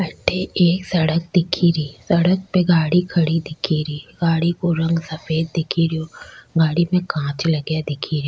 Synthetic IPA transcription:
ɐʈʰeʔeːksɐɽək̚d̪ɪkʰiɾiːsɐɽək̚peɡaːɽikʰɐɽid̪ɪkʰiɾiːɡaːɽikoɾɐ̃ŋɡsɐfeːd̪̚d̪ɪkʰiɾijoːɡaːɽimẽkãːt͡ʃlɐɡjad̪ɪkʰiɾioː

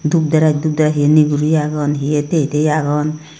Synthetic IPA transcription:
d̪up̚d̪aɾak̚d̪up̚d̪aɾaɦieniɡuɾujaɡɔnɦijet̪ejt̪ejaɡɔn

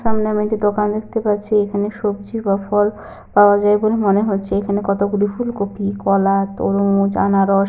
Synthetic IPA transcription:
ʃamneamiʈid̪okand̪ekʰt̪epaɾːɕʰeekʰaneʃob̚d͡ʑibafɔl | paoad͡ʑajbolemoneɦotːɕʰeekʰanekɔt̪oɡulifulkopʰikɔlat̪o̰ɾomud͡ʑa̰naɾɔʃ

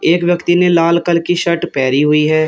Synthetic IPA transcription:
eːkwjɐkt̪inelaːlkəlkiʃɐʈpɛːɾiɦʊiɦɛː

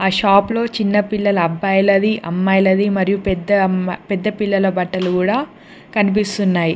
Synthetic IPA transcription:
aːʃaːplo̞ːt͡ʃinːɐpilːɐlɐɐbːɐjɐlɐd̪iʔɐ̰mːɐjlɐd̪imɐɾijupɛd̪ːɐpɛd̪ːɐpilːɐlɐbɐʈːɐlukuːɽaː | kɐnip̬ist̪unːaːji

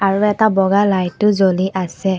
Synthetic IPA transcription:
aɹuɛtabɔɡalajtːʊzoliʔasɛ

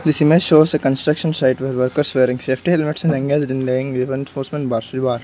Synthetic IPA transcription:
d̪isimeʃoːzəkə̃nsʈɾɐkʃə̃nsaɪʈʋeːɾʋəɾkəɾsʋeːɾɪ̃ŋseːfʈielimɪʈsɛ̃nɛ̃ŋɡezɖɪ̃nleɪ̃ŋɡʋiʋɾə̃nfoːɾsmẽɳʈbaːɾsiʋaːɾ

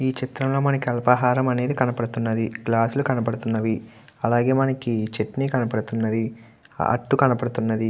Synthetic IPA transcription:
iːt͡ʃit̪ɾɐmlo̞ːmɐnɐkiɐlɐpɐɦaːɾɐmɐne̞ːd̪ikɐnɐpɐɽut̪unːɐd̪iklaːslukɐnɐpɐɽut̪unːɐʋi | ɐlaːɡe̞ːmɐnɐkit͡ʃeʈniːkɐnɐpɐɽut̪unːɐd̪i | ɐ̰ʈːukɐnɐpɐɽut̪unːɐd̪i

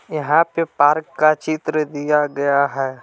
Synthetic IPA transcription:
jɐɦãpepaːɾkːat͡ʃit̪ɾəd̪ijaɡɐjaɦɛː

